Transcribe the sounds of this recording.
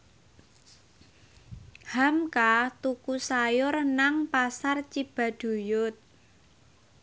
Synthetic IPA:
hamkat̪ukusajʊrnaŋpasart͡ʃib̥a̤d̪̥ṳjʊt̪̚

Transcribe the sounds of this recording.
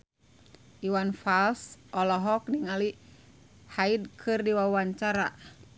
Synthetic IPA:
ʔiwanfalsʔɔlɔɦɔk̚niŋali | haid̚kʰɨrdiwawaɲt͡ʃaɾa

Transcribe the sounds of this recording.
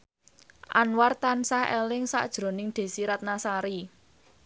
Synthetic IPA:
ʔa̰nwart̪ansahɛ̰lɪŋsa̰ʔd̥ʒ̥ɾo̤nɪŋd̪̥e̤siɾat̪̚nasaɾi

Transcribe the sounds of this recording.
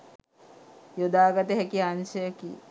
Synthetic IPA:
jod̪aːɡat̪əɦækianʃəjəki

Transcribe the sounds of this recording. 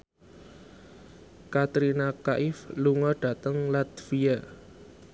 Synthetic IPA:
kat̪ɾinakaʔɪfluŋɔɖ̥ä̤t̪əŋlat̪fia

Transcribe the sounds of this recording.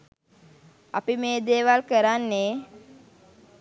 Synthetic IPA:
apimeːd̪eːʋalkəɾanːe

